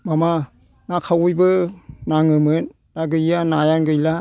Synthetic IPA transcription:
mama | nakʰawujbɯnaŋɯmɯn | daɡɯjanajanɡɯjla

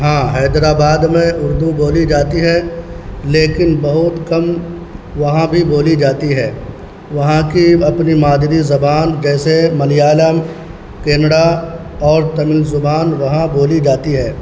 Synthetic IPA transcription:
ɦãːɦɛːd̪ɾaːbaːd̪mẽʊɾd̪uboːlid͡ʒaːt̪iɦɛ | leːkɪnbɐɦʊt̪kɐm | ʋɐɦãbʱiboːlid͡ʒaːt̪iɦɛː | ʋɐɦãkiɐpnimaːd̪ɾizɐbaːnd͡ʒɛːsemɐlijaːləm | keːnəɽa | ɔːɾt̪ɐmɪlzʊbaːnʋɐɦãboːlid͡ʒaːt̪iɦɛː

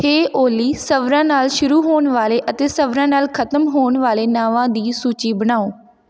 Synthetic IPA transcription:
heːʔoːliːsəʋɾãːnaːlʃʊɾuːɦoːɳʋaːleːʔət̪eːsəʋɾãːnaːlkʰət̪əmɦoːɳʋaːleːnaːʋãːd̪iːsuːt͡ʃiːbəɽaːoː

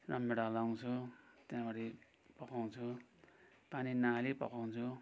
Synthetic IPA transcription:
rʌmːeɽalaw̃t͡sʰut̪jãbaɾi | pʌkaw̃t͡sʰu | paninaɦalipʌkaw̃t͡sʰu

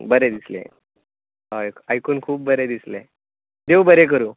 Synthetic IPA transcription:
bəɾed̪islḛ̃ | ajkajkuːnkʰuːp̚ːbəɾed̪islḛ | d̪ewbəɾek̬əɾuː

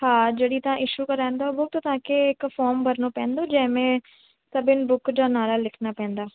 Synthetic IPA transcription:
hãːd͡ʒeːɽiːt̪ãːʔɪʃuːkəɾãːnd̪aːobʊk̚t̪ot̪ãːkeɪkfɔːɾmbəɾnoːpɛ̃ːnd̪õːd͡ʒɛ̃ːmẽː | səbɪnbʊkd͡ʒaːnaːɾaːlɪkʰnaːpɛ̃ːnd̪aː

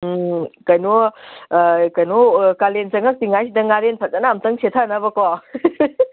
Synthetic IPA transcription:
kɐjno | kɐjnokalensɐŋɐk̚tiŋajsidɐŋaɾenpʰɐt̚zanaːmtɐŋsʰetʰanabɐkɔ

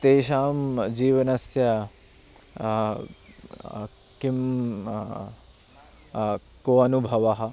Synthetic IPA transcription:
t̪eːʃaːmd͡ʒiːʋɐnɐsjɐ | kim | koːɐnubʱɐʋɐɦɐ̆

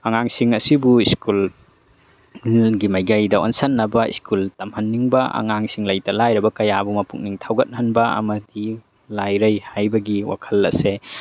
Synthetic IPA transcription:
ɐŋaŋsiŋɐsibuiskul | ɡimajɡajdɐo̰nsɐnːɐbɐḭskʰultɐmhɐnːiŋbɐʔɐ̰ŋaŋsiŋlɐjtɐlajɾɐbɐkɐjabumɐpuk̚niŋtʰawɡɐt̚hɐnbɐɐ̰mɐdi | lajɾɐjhajbɐɡiwa̰kʰɐlɐ̰se

